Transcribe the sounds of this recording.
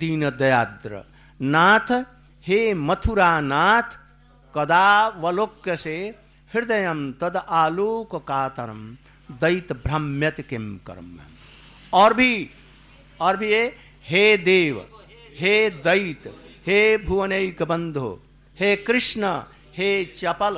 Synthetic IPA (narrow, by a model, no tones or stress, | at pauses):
d̪iːnɐd̪ɐjaːd̪ɾɐ̰ | naːt̪ʰ | heːmɐt̪ʰuɾaːnaːt̪ʰ | kɐd̪aːʋɐloːkjɐseː | hiɾd̪ɐjɐmt̪ɐd̪aːloːkɐkaːt̪ɐɾɐ̰m | d̪ɐjt̪bɾɐmjɐt̪kemkɐ̰ɾmɐ̰m | ɔːɾbʱi | ɔɾbʱije | ɦeːd̪eːʋ | ɦeːd̪ɐjt̪heːbʱuʋɐnɐjkɐbɐnd̪ʱo̰ː | heːkɾɪʂnɐ | heːt͡ʃɐpɐl